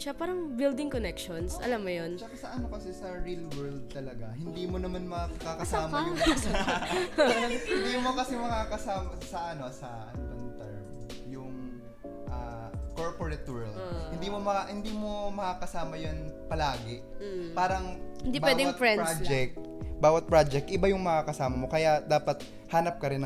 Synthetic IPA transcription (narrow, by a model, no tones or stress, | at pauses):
ʃapaːɾɐŋbild̪ɪŋkonɛkʃonsʔɐ̰lamːɐjonʃɐkɐsɐʔɐnokɐsɛsɐɹilwɛɹd̪̚t̪ɐlɐɡahɪnd̪iːmonɐmanmɐkakakɐsaːm | hɪnd̪iːmokɐsɛmɐkakɐsaːmɐsɐʔɐno̞sɐʔɐnbɐnt̪ɛɹmjʊŋ | ʔaː | koɹpoɹɛt̪ɛɹld̪hɪnd̪iːmomɐahɪnd̪iːmo̞mɐkakɐsaːmɐjonpɐlaːɡɛ | paːɾɐŋɪnd̪ibawɛːd̪ɛfɹɛd͡ʒɛk̚t̪̚baːwɐt̪̚pɹaːd͡ʒɛk̚t̪ʔɪbajʊŋmɐŋakɐsaːmɐmo̞kɐjaʔd̪aːpɐt̪̚ | haːnɐp̚kɐɾɪnɐ